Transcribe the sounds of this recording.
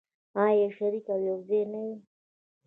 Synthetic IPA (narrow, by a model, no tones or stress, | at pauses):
ajeʃaɾikawjazenawi